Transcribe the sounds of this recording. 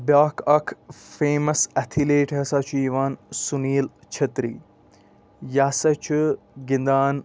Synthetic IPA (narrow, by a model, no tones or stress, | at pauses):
bjaːkʰɐkʰfeːmɐsɐt̪ʰileːʈɦɐsat͡ʃʰuiːʋaːnsuniːlt͡ʃʰɐt̪ɾḭː | jaːsɐt͡ʃʰu | ɡɪnd̪aːn